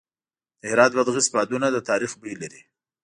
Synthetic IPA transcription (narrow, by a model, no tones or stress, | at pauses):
d̪̥əhɪɾɑt̪̚bad̪ɣisbɑd̪unad̪ət̪ɑɾixbəlaɾi